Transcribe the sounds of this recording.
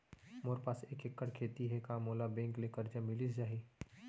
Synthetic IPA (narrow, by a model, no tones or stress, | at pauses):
moːɾpaːseːkekːəɽkʰeːt̪iɦɛkamoːlabẽːŋklekəɾd͡ʒamɪlid͡ʒaɦi